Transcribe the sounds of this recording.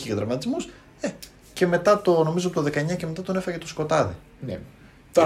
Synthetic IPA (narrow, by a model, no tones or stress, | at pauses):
iʝɐtðɾɐvmɐt̪izmus | e | ce̞me̞t̪ɐt̪o̞no̞mizoɐpt̪oðe̞kɐeɲɐceme̞t̪ɐt̪one̞fɐɣɐcet̪o̞sko̞t̪ɐði | n